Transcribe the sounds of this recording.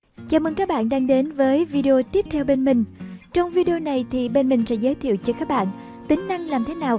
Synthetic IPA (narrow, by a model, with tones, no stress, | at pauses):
t͡ɕaː˧˩mə̰˧˩ŋkaː˦˥k̚ɓa̰ː˧˨nɗaː˧ŋɗe˨˦nvəː˨˦jvi˧ɗi˧o˧t̪i˦˥əp̚t̪ʰɛ˧wɓe˧nmï˨˩ŋ̟t͡ɕɔ˧wŋ͡mvi˧ɗi˧o˧na˨˩jt̪ʰi˨˩ɓe˧nmï˨˩ŋ̟sɛ̰˧˥zəː˨˦jt̪ʰḭ˧˨ə˨wt͡ɕɔ˧kaː˦˥k̚ɓa̰ː˧˨n | t̪ï˨˦ŋ̟na˧ŋlaː˨˩mt̪ʰe˨˦naː˨˩w